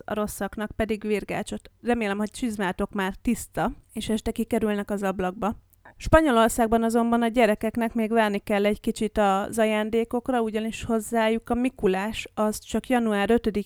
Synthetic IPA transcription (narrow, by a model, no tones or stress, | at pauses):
ɒ̰ɾo̞sːɒknɒk̚pɛd̪iɡʋiːrɡa̰ːt͡ʃo̞t̪rɛmeːlɛmho̞ct͡ʃizmaːt̪o̞kmaːrt̪ist̪ɒeːʃɛʃt̪ɛkikɛɾylnɛkɒzɒblɒɡ̚bɒ | ʃpɒɲo̞lo̞rsaːɡ̚bɒnɒzo̞mbɒnɒɟɛɾɛkɛkn̪ɛkmeːɡʋɛrnikɛlːɛɟkit͡ʃit̪ɒzɒjaːnd̪eːko̞krɒuɟɒniʃho̞zːaːjukɒmikulaːʃɒzt͡ʃɒkjɒnuaːɾø̞t̪ød̪i